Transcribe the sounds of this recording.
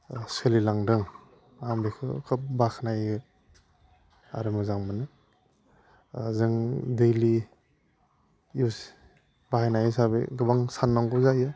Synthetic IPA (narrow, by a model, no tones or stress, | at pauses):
sɯlilaŋdɯŋ | amdikʰɯ̰kʰɯp̚bakʰnajɡɯ | a̰ɾɯmɯzaŋmɯnɯ | zɯŋdejli | us | bahanajɯsabḛɡɯbaŋsanːaŋɡɔzajɯ